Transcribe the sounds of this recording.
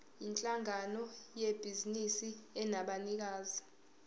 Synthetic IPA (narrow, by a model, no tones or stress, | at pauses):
int͡ɬʼaŋanɔjeb̥ʱizinisiɛnaɓanik̬aːzi